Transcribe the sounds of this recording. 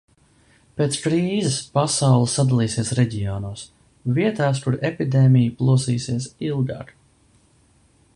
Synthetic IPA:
peːt̪skɾiːzɪspasawlˠəsːad̪alˠiːsiɛsɾɛɟijɔːnuɔs | viɛt̪aːs̬kuɾepid̪eːmʲijuplˠuɔsiːsiɛs̬ilˠɡa̰ɾ

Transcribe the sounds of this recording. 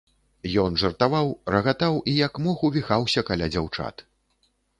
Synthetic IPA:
jɔnʐɐrt̪avawrɐɣat̪awʔijɐkmɔxuvʲixawsʲɐkalʲad͡zʲawt͡ʂa̰t̪

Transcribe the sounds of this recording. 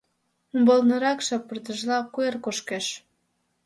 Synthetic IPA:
umbolnə̆ɾɑkʃɑpːərt̪əʒlɑkuerkoʃkeʃ

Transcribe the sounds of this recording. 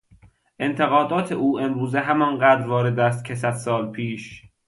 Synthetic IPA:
ʔe̞nt̪ʰe̞ɣɒːd̪ɒːt̪ʰeʔuːʔe̞mɾuːzeɦæmɒːnɢæːd̪ɾvɒːɾe̞d̪æːst̪̚cʰesæd̪̥sɒːlpʰiːʃ

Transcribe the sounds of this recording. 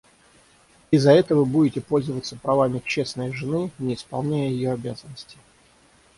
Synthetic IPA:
ɪzːɐɛt̪əvɨbudʲɪtʲɪpo̞lʲzəvət̪səpɾɐvamʲɪkt͡ɕe̞snəjʐɨnɨnʲɪːspɐlˠnʲæjəjɪjoɐbʲazənːəsʲtʲɪ̥

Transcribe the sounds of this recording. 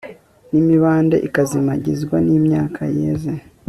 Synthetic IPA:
nimiβaːnde̞̰ʔikazimaɟizɡwa̰niːmɲaːkʰajeːze

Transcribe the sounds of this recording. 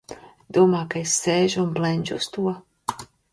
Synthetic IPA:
d̪̥uɔmaːkaesːeːʒuunblɛnʲd͡ʒuust̪uɔ

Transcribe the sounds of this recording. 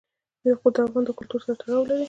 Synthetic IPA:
jaxod̪əafɣɑnd̪əkʊlt̪uɾsaɾaʈaɽɑwlaɾi

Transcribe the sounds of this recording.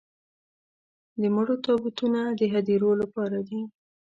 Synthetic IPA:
d̪əmʊɽot̪ɑbut̪unad̪əɦad̪iɾolapɑɾad̪i

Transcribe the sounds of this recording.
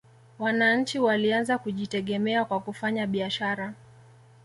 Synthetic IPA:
wanaɲ̩t͡ʃiwalianzakuʄitɛɠɛmɛakwakufaɲaɓiaʃaɾa

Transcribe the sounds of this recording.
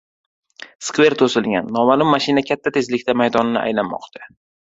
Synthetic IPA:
skve̞ɾt̪ʰosɪlɡʲa̰nːɒmalʊmːaʃɪnakʲʰat̪ʰːat̪ʰe̞zlɪkʲt̪ʰamajd̪ɒnɪnɪʔa̰jlanmɒ̰qt̪ʰḁ

